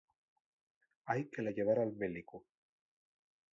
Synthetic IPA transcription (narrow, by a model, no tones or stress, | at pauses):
ajkelajeβaɾalmeliku